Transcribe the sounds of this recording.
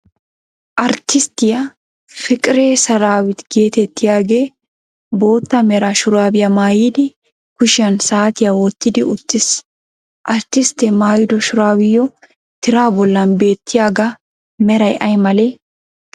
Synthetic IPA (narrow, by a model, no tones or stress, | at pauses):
ʔɐɾt̪ːɪst̪ɪjɐ | fɪkʼɪɾeːsɐɾaːwɪt̪ɡe̞ːt̪ɛt̪ːɪjaːɡe̞ː | bo̞ːt̪ːɐmɛɾaʃʊɾaːbɪjɐmaːjiːd̪ɪ | kʊʃɪɐnsaːt̪ɪjawɔt̪ːɪd̪ɪʊt̪ːɪs | ʔɐɾt̪ːɪst̪ːɛmaːjɪd̪ɔʃʊɾaːwɪjːɔ | t̪ɪɾaːbɔlːɐnbe̞ːt̪ʰːɪjaːɡɐ | mɛɾɐjʔɐjmɐleː